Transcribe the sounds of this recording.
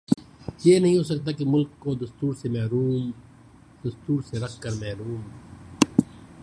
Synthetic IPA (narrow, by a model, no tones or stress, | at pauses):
jeːnɐɦĩːɦoːs̬ək̚t̪akemʊlkːod̪ɐst̪uːɾsemɛɦɾuːm | d̪̥ɐst̪uːɾseɾɐkʰːɐɾmɛːɾuːm